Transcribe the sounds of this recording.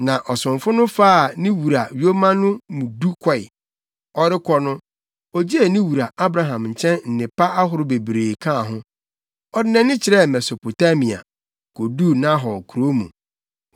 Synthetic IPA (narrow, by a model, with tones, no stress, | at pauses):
nã˨ʔɔ˨sʊ̃˨ɱfʊ˦nʊ̃˦faː˦˨nɪ̃˦wu˨ɾa˨jo˦mã˦nʊ̃˦mũ˨du˦kʰɔ˦ɪ˨ | ɔ˦ɾɪ˦kʰɔ˦nʊ̃˦ | ɔ˨d͡ʑi˦e˨nĩ˦wu˨ɾa˨a˦bɾa˨ɦã˨mɲ̩˨t͡ɕʰɛ̃˦nn̩˨nɪ̃˨pa˦a˦ɦʊ˨˦ɾʊ˦be˨bɾeː˨kʰã˦˨ɦʊ̃˦ | ɔ˦dɪ˦nɛ̃˦nɪ̃˦t͡ɕʰɪ˨ɾɛ˦mɛ˨so˨pʰo˨ta˦mĩ˨a̰˨ | kʰo˨du˦˨nã˦ɦɔ˨kʰu˨ɾo˦mṵ̃˨